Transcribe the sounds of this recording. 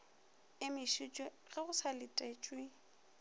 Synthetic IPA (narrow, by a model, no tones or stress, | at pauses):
ɪmɪʃit͡ʃʼwe | ɣɛɣʊsʰalɪtʼet͡ʃʼwɪ